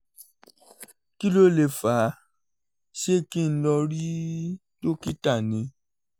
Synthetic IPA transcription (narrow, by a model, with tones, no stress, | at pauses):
ki˦lo˦le˨fa˨˦ | ʃe˦˨ki˦n̩˦lɔ˧ɾi˦ | to˦ki˦ta˦˨nĩ˨˧˦